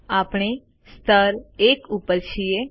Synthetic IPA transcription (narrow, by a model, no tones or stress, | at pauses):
aːpɳ̃e | st̪ʰəɾekupːəɾt͡ʃʰije